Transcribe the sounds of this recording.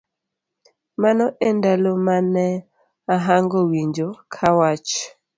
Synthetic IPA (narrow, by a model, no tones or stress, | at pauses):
manɔʔendalomanɛ | aɦaŋɡɔwiɲd͡ʒokʰawat͡ʃ